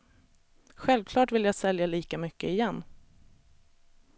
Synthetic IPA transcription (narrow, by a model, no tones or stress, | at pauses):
ɧɛlvkʰlɑːʈvɪljaːɡsɛljaliːkamʏkːəɪjɛnː